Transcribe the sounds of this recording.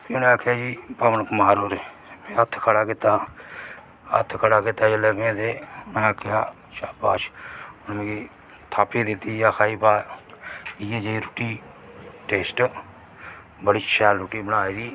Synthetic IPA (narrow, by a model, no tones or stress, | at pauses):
ʊnẽːaːkʰjaːd͡ʒiːpəmənkəmaːɾoːɾ | mẽːət̪ʰkʰəɽaːkɪt̪aː | ə̰t̪ʰkʰəɽaːkɪt̪aːd͡ʒeləɡẽːd̪eːmɛ̃ːaːkʰjaː | ʃaːpaːʃʊnmẽːiː | t̪ʰaːpeːd̪ɪt̪iːjaːkʰaːiːpaː | ɪjeːd͡ʒeiːɾʊʈiː | ʈeːsʈ | bəɽiːʃɛːlɾʊʈiːbənaːid̪iː